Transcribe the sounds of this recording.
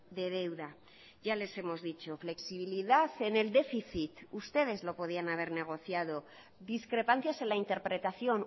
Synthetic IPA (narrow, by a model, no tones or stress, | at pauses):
d̪e̞ðe̞wða | ʝale̞se̞mo̞zðit͡ʃo̞fle̞ksiβ̞iliðaθe̞ne̞ld̪e̞fiθit̪ust̪e̞ðe̞zlo̞po̞ð̞ianaβ̞e̞ɾne̞ɣ̞o̞θjað̞o̞ | ðiskɾe̞pan̟θjase̞nlaint̪e̞ɾpɾe̞t̪aθjo̞n